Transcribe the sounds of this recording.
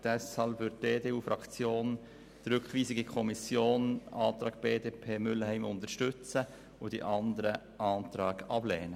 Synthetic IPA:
d̥ɛshɑlpʋʏɾd̚deːdeːuːfɾɑkt͡sjoːn | d̥ɾʉkχʋiːzɪɡikʰɔmisjoːnʔɑːt̪ɾɑːɡ̥̚b̥eːdeːpʰeːmʏləhɛɪmʊntəɾʃtʏt͡sə | ʊd̥ḭʔɑnd̪əɾə | ʔɑːntɾɑːɡɑb̥lɛːnə

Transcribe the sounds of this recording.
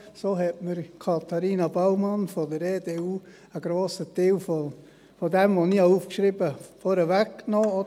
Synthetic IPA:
soːɦɛtməɾkʰɑt̪ʰɑɾiːnɑbaʊmɑnfɔdəɾeːdeuː | əɡɾoːsət̪ɪwfo | fodɛmʋoniːhɑufkʃɾibəfoɾəvækknoːo

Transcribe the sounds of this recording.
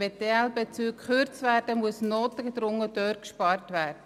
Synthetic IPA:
ɛteɛlbet͡syːkχøɾt͡sʋæːɾd̥əmuəsnoːt̪əɡed̪ɾʊŋːədøːɾkʃpɑɾtʋæːɾd̥ə

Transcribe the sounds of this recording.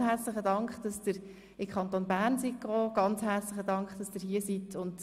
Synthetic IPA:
ɦæɾt͡sləχədɑŋkχd̥ɑsd̥ɪɾ | ɪkʰχɑntoːnbæːɾnsikɔːɡ̥ɑnt͡sɦæːɾt͡sləχədɑŋkχd̥ɑsd̥ɪːɾhiəsitʰʊnt

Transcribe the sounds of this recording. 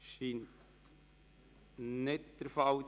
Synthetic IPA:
ʃiːntt | nɪt̪̚d̪̥əɾfɑw

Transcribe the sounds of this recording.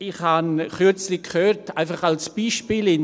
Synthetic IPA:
ɪχhanχʏt͡slɪkʰχøːɾtaɪfaχalsb̥iːʃpiːlɪn

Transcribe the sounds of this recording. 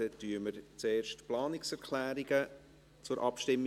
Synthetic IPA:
ɛtyəməɾt͡seːɾʃtplɑːnɪksɛɾkʰlæːɾiɡ̥ə | t͡sʊɾʔɑpʃtɪmː

